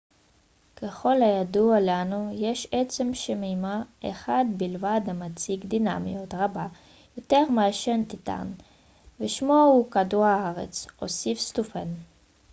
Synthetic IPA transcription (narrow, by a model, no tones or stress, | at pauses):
keχo̞lhajadualanujeʃet͡semʃemimaḛχad̪bilvad̪amat͡sikd̪ina̰mḭjot̪ʁaba | jot̪eʁmaaʃent̪it̪a̰n | veʃmoukaduaaʁḛt͡so̰sifst̪ufen